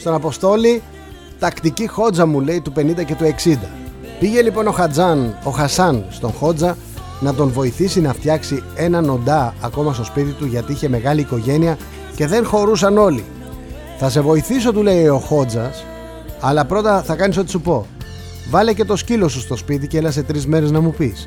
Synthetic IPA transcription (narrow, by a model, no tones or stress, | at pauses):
st̪o̞nɐpo̞st̪o̞li | t̪ɐkt̪icixo̞d͡zɐmule̞it̪upe̞nind̪ɐce̞t̪ue̞ksind̪ɐpiʝe̞lipo̞no̞xɐd͡zɐno̞xɐsɐnst̪o̞nxo̞d͡zɐ | nɐt̪o̞nvo̞iθisinɐft̪çɐksie̞nɐno̞nd̪ɐːko̞mɐst̪o̞spit̪it̪uʝɐt̪iiçe̞me̞ɣɐliːko̞ʝe̞niɐ | ce̞ðe̞ŋxo̞ɾusɐno̞li | θɐse̞vo̞iθis̬o̞t̪ule̞io̞xo̞d͡zɐs | ɐlɐpɾo̞t̪ɐθɐkɐniso̞t̪isupo̞ | vɐle̞ce̞t̪o̞scilo̞sust̪o̞spit̪̬iceelɐse̞t̪ɾizme̞ɾe̞znɐmupis